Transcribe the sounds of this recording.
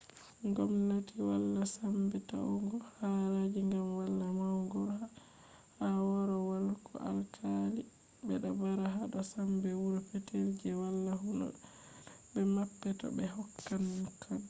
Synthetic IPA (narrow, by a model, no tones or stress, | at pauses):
ŋɡɔmnatiwalːasambɛta̰wŋɡɔhaɾad͡ʒiŋɡamwalːamawŋɡɔɾha | hawɔɾɔwalkʰɔ̰ʔa̰lkʰali | bɛɗabaɾaɦaɗasambɛwuɾɔpɛtʰeld͡ʒɛwalːahunɔ̰ | bɛmapːɛtɔ̰bɛɦɔkːannkʰan